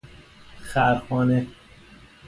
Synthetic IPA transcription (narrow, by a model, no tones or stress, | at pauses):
xæɾxɒːne